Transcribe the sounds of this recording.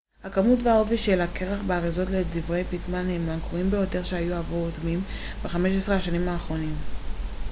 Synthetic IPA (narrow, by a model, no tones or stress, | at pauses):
hakamutveaoviʃelakeʁaχbeaʁizo̞tledivʁe̞jpitmanhemankoimbe̞jo̞te̞ʁʃehajuavuʁotmim | beχameʃesʁeaʃanimaːχʁo̞nim